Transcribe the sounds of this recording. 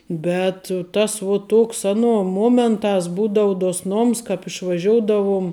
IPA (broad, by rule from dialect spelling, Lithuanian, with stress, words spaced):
ˈbʲɛt tɐs ʋuɔ ˈtuɔks ˈɑːˌnuɔ ˈmuɔmʲɛntɑːs ˈbuːdɐʊ duɔsˈnoːms kɑːp ɪʃʋɐˈʒʲoːʊdɐʋʊm